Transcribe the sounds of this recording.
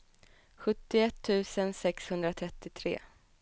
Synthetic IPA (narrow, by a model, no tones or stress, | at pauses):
ɧɵt̪ːɪɛt̪ʰːʉ̟ːsənsɛkshɵnd̪ɾat̪ʰɾɛt̪ːɪt̪ʰɾḛː